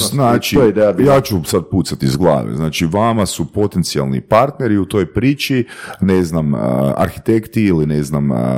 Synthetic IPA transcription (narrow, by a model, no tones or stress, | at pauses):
znaːt͡ʃioeid̪ejajaːt͡ʃusad̪̚puːt̪sat̪iizɡlˠa̰ːʋḛznaːt͡ʃiʋamasupo̞t̪ent̪sia̰lˠnḭpaɾt̪ne̞ɾiut̪o̞jpɾiːt͡ʃineznaməa̰ɾxit̪ekt̪iilineznam